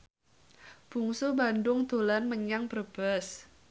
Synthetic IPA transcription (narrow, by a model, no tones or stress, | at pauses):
b̥ṳŋsubandʊŋd̪̥olanməɲaŋb̥ərb̥əs